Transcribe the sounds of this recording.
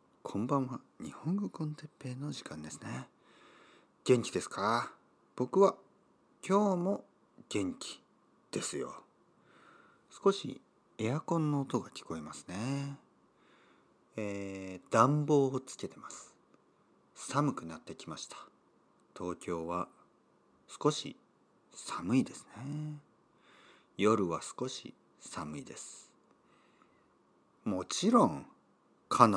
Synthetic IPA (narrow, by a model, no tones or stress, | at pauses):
kʰõ̞mbãɰ̃βaɲ̟ihõ̞ŋɡokõ̞nt̪e̞pːe̞ːno̞ʑikãnd̪e̞sɨ̥ne̞ | ɡ̥ẽ̞ŋkʲid̪e̞sɨ̥kaa | b̥o̞kɯ̟βa | kʲo̞ːmo̞ | ɡ̥ẽ̞ŋkʲi̥ | d̪̥e̞sɨjo̞̰ | sɨ̥ko̞ɕḭ | e̞akõ̞nːo̞ːt̪o̞ɡakʲi̥ko̞imasɨ̥ne̞ | eːd̪̥ãmbo̞ːt͡sɨ̥ke̞t̪e̞masɨ̥ | samɯ̟kɯ̟nat̪ːe̞kʲimaɕi̥t̪ʰḁ | t̪ʰo̞ːkʲo̞ːβa | sɨ̥ko̞ɕḭ | samɯ̟id̪e̞sɨ̥ne̞ | jo̞ɾɯ̟βasɨ̥ko̞ɕḭ | samɯ̟id̪e̞sɨ̥ | mo̞t͡ɕiɾõ̞ŋ | kʰan